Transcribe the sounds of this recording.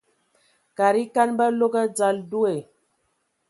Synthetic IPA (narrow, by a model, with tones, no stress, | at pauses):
ka˨ɾi˦ka˦nbə˦lo˦ɡə˦d͡za˦˨ldu˦e˨